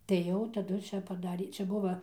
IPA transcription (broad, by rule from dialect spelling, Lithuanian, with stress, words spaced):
tɐɪ ˈjɛʊ tɐˈdʊ ˈt͡ʃʲɛ pɐˈdɑːrʲeː ˈt͡ʃʲɛ ˈbʊʋɐ